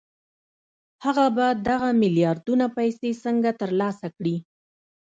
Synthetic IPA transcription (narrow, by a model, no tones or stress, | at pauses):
haɣabad̪aɣamɪljɑɾd̪unapajsesəŋɡat̪əɾlɑsakɽi